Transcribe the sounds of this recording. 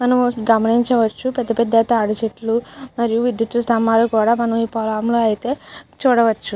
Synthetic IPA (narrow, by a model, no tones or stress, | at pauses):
mɐnɐmɡɐmɐniɲt͡ʃɐʋɐt͡ʃːupɛd̪ːɐpɛd̪ːɐt̪aːɽɐt͡ʃeʈlumɐɾijuʋiɖiʈɐst̪ɐmːaːlukuːɽaːmɐnɐmiːpɔːlaːɐmlo̞ːɐjit̪e̞ːt͡ʃuːɽɐʋɐt͡ʃːu